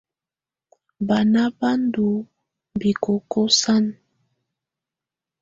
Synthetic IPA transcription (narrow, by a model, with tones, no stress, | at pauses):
ba˨na˦ba˦ndu˨ | m˨bi˨ko˨ko˦sa˦n